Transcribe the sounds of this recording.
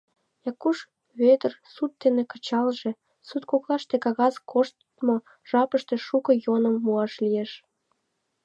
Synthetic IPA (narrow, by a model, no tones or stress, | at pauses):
jɑkuʃ | βet̪ərsut̪ːenekə̥̆t͡ɕɑlʒe | sut̪koklɑʃt̪ekɑɣɑzkʰoʃt̪ | mo | ʒ̥ɑpəʃt̪eʃukɤ̆jonə̆mːuɑʃlijeʃ